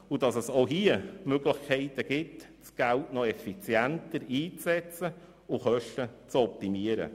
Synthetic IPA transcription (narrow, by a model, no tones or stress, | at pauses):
ʊdɑsəsoɦiəmøɡləχkʰɛɪtəɡ̥ɪt | sɡ̥æltnɔɛfit͡sjæntəɾiːt͡sɛt͡sə | ʊχœʃtət͡sɔp̚t̪imiəɾə̰